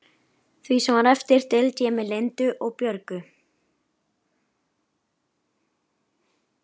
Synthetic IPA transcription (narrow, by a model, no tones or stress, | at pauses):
θvisɛmaɾɛft̪ɪɾ̥t̪ʰɪlc̪ʰɛːmɪlent̪ʏʔɔɣpjœɾkʏ